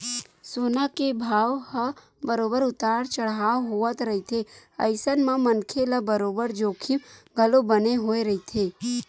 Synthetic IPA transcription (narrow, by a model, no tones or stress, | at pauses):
soːnakebʱaːʋhə | bəɾoːbəɾʊt̪aːɽt͡ʃəɽɦaːɦoət̪ɾəɦit̪ʰeə̰ɪsənmãmənkʰeləbəɾoːbəɾd͡ʒoːkʰimɡʱəlobəneɦoːeɾəɦit̪ʰeː